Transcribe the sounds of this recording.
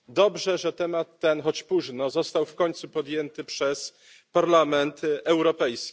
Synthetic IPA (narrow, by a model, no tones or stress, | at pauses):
d̪ɔbʐɛʐɛt̪ɛmat̪ːɛnxɔt͡ɕpuʐnɔzɔst̪awfkɔɲt̪supɔd̪jɛnt̪ɘpʂɛs | paɾlamɛnt̪ɛwɾɔpɛjskʲi̥